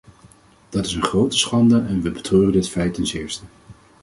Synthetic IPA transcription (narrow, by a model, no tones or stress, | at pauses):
d̥ɑtɪsənχrowtə̥sχɑndəʔɛnʋəbətrøːrəndɪtfɛjtɛnsɪːɹstə